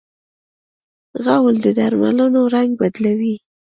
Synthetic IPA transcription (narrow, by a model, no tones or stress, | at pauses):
ɣawld̪əd̪aɾma̰lənoɾaŋɡ̚bad̪lawi